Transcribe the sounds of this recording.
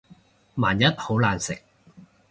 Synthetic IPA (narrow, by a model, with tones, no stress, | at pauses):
maː˨˩njɐ˥t̚ho˨˥wlaː˨˩nsɪ̰˨k̚